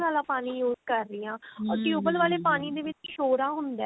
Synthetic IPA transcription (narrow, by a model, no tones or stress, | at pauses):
aːlaːpaːniːjuːzkəɾːɪjãːɔːɾʈjuːbəlʋaːleːpaːniːd̪eːʋɪt͡ʃʃoːɾaːɦʊnd̪ɛː